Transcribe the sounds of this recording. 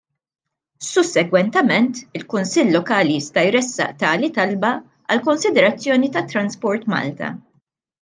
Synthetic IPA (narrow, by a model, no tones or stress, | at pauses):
sʊsːɛɡwɛnt̪ɛmɛnt̪ɪlkʊnsɪlːɔkɐːlijɪst̪ɐjɾɛsːɐ̰ʔt̪ɐːlit̪ɐlbɐ | ɐ̰lkɔnsɪd̪ɛɾɐt͡sːjɔːnit̪ɐt̪ːɾɐnspɔɾt̪mɐ̰ːlt̪ɐ̰